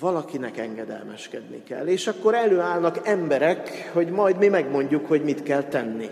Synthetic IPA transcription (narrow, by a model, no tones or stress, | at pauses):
vɒlɒkinɛkɛŋɡɛd̪ɛ̰lmɛʃkɛd̪nḭkɛ̰lːeːʃɒkːo̞ɾɛløːaːlnɒkɛmbɛɾɛkho̞ɟmɒjd̪mimɛɡmo̞ɲɟukho̞ɟmit̪kɛlt̪ɛnːḭ